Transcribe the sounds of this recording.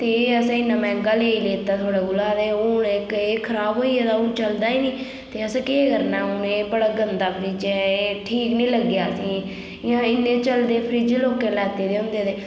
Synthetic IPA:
t̪eːəsãːɪnːãːmɛ̃ːŋɡaːleːileːt̪aːt̪ʰoːɽeːɡʊlaːd̪eːʊɳɪkeːkʰəɾaːbɦoːiːeːd̪aːũːt͡ʃəld̪aːiːniː | t̪eːəsãːkeːkəɾnaːʊneːbəɽaːɡənd̪aːpʰəɾiːd͡ʒɛːʈʰiːknĩːləɡjaːəsĩː | ɪãːɪnːẽːt͡ʃəld̪eːpʰəɾiːd͡ʒeːloːkeːlɛːt̪eːd̪eːʊ̃nd̪eːd̪eː

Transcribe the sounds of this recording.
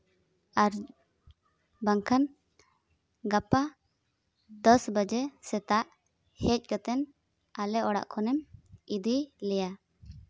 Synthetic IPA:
aɾ | baŋkʰan | ɡapa | d̪ɔsbad͡ʒɛsɛt̪aʔ | hɛc̚ˀkət̪ɛn | alɛʔɔɽa̰ʔkʰɔnɛmid̪ilɛja

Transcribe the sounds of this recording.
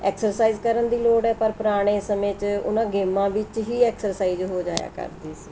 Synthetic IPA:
ɛ̰ːksəɾsaːiːzkəɾənd̪iːloːɖɛːpəɾpəɾaːɽ̃ẽːsəmẽːt͡ʃʊ̰nãːɡeːmãːʋɪt͡ʃɦiːɛːksəɾsaːiːzɦoːd͡ʒa̰ːja̰ːkə̰ɾd̪iːsiː

